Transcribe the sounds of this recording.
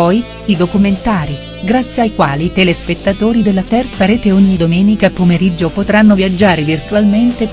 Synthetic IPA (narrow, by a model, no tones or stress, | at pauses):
ɔj | id̪okument̪aːɾi | ɡɾat̪sːjeajkwaːlit̪elespet̪ːat̪oːɾid̪elːat̪ɛrt̪saɾeːt̪eoɲːid̪omɛːnikaepːomeɾid͡ʒːopot̪ɾanːovjad͡ʒːaːɾevirt̪ualment̪e